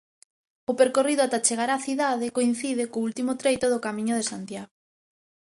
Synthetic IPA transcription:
ʊpeɾkoriðʊat̪at͡ʃeɣaɾaθiðaðɪkoin̟θiðɪkoult̪imʊt̪ɾejt̪oðʊkamĩɲʊðesant̪jaɣo

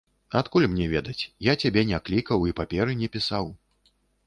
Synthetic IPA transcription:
at̪kulʲmnʲɛvʲɛd̪ɐt͡sʲjat͡sʲabʲɛnʲaklʲikɐwipapʲɛɾɨnʲɛpʲisaw

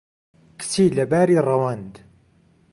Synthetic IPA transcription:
kt͡sːilæbæɾirˤːɑwænd̪

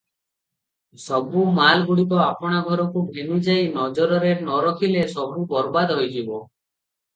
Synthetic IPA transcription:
sɔbumalɡuɽikɔapɔɽ̃aɡʱɔɾɔkubʱenud͡ʒajnɔd͡ʒɔɾɔɾeɾnɔɾɔk̪ʰilesɔbubɔɾbad̪ɦojd͡ʒibɔ

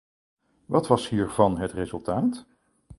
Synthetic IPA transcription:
ʋɑtʋɑshiːɹvɑnɦətrezɵlˠtaːt

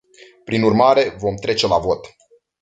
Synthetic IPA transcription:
pɾinurmaɾe̞vo̞mt̪ɾe̞t͡ʃe̞lavo̞t̪

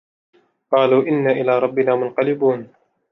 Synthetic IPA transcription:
qɑːluːʔɪnːaːʔɪlaːɾˤɑbːɪnaːmʊnqɑlɪbuːn

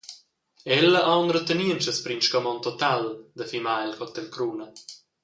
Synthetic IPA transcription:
ɛlːəʔawnɾət̪əniənt͡ʃəspɾinʃkɔmɔnt̪ɔt̪ald̪əfimaɛlkɔt̪ɛlkɾuːnə

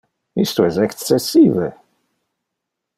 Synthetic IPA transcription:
ist̪uɛsɛk̪ːɛsːiːvɛ

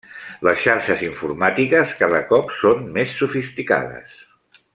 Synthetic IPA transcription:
ləsʃaɾʃəziɱfurmat̪ikəskaðəkɔpsonmesːufist̪ika̰ðə̰s

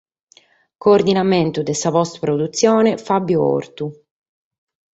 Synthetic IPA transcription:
koːrd̪inament̪ud̪esavɔst̪pɾod̪ut̪sːjɔːnefabːjuɔ̰ɾt̪u

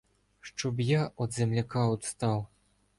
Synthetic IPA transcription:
ʂt͡ʂɔbjaɔd̪zʲɛmlʲakawt̪st̪aw

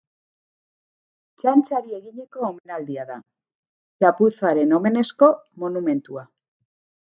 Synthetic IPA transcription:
t͡ʃant͡ʃaɾie̞ɣiɲeko̞ome̞nald̪iaða̰ | lapuθaɾe̞no̞me̞ne̞sko̞mo̞nume̞nt̪ua

